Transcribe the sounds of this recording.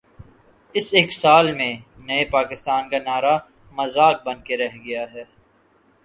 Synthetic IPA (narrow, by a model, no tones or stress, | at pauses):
ɪseːksaːlmẽnɐepaːkɪst̪aːnkanaːɾa | mɐzaːk̚bɐnkeɾɛɦɡɐjaɦɛː